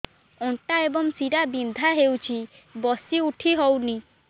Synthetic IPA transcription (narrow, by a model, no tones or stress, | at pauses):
ɔɳʈaebɔŋsiɽabind̪ʱaɦewt͡ʃʰi | bɔsiuʈʰiɦɔwni